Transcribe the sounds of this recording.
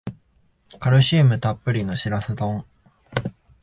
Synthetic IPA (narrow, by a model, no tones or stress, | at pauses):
kaɾɯ̟ɕiːmɯ̟t̪apːɯ̟ɾʲino̞ɕiɾasɨt̪õŋ